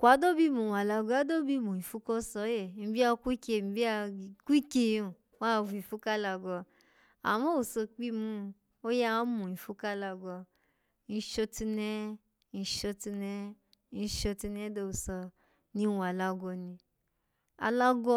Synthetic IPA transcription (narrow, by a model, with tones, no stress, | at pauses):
kʷa˨˦do˦bi˦˨mũ˨wa˨la˧ɡɔ˧a˨˦do˦bi˦˨mũ˨ĩ˨fu˧˦kɔ˦sɔ˧˦jɛ˦˨mĩ˨bi˦a˧kʷi˦ke˧˨mĩ˨bi˦a˧kʷi˦ke˧˦õ˨ | wa˦˨vu˧ĩ˨fu˦ka˦la˧ɡɔ˧ | a̰˨mɔ̃˦o˨sɔ˧k͡pi˦mũ˦˧ | o˦ja˦a˨˦mũ˨ĩ˨fu˧˦ka˦la˧ɡɔ˧ | nĩ˧˦ʃo˧ti˧nɛ̃˦ | nĩ˧ʃo˧ti˧nɛ̃˦ | nĩ˧˦ʃo˧ti˧nɛ̃˦do˧o˨sɔ˧ | nĩ˧˦wa˨la˧ɡɔ˧nĩ˧ | a̰˧la˧ɡɔ˧